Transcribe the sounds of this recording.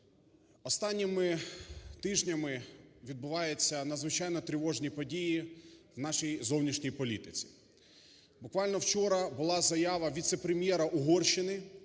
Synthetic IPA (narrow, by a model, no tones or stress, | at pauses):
ɔst̪ɑnʲːɪmɪt̪ɪʒnʲɐmɪʋʲid̪̚bʊʋɑjet͡sʲːɐnɐzʋɪt͡ʃɑjnɔt̪ɾʲɪʋɔʒnʲipɔdʲijiwnɑʃijzɔwnʲiʃnʲijpɔlʲit̪ɪt͡sʲi̥ | bʊkʋɑlʲnɔwt͡ʃɔɾɐbʊlˠɑzɐjɑʋɐʋʲit̪sɛpɾemʲjɛɾɐʔʊɦɔrʃɪnɪ